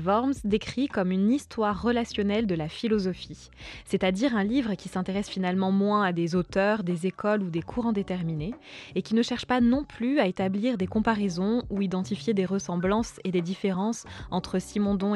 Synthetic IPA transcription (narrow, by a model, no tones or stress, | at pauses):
vɔʁmsd̪ekχikɔmynist̪waʁːəlasjɔnɛld̪əlafilɔzɔfi | sɛt̪ad̪iʁɛ̃livʁəkʲisɛ̃t̪eʁɛsfinalmɑ̃mwɛ̃ad̪ezot̪œʁd̪ezekɔlud̪ekʰuʁɑ̃d̪et̪ɛʁmineːkʲinəʃɛʁʃpanɔ̃plyaet̪abliʁd̪ekɔ̃paʁezɔ̃uid̪ɑ̃t̪ifjed̪eʁəsɑ̃blɑ̃sed̪ed̪ifeʁɑ̃sɑ̃t̪χəsimɔ̃d̪ɔ̃